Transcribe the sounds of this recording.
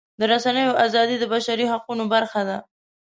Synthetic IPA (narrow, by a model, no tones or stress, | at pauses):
d̪əɾasanəjoʔazɑd̪id̪əbaʃaɾiɦaqunobaɾxad̪a